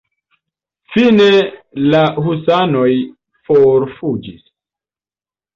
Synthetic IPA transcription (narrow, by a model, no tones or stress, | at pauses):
fine̞lahusanoj | foɾfud͡ʒis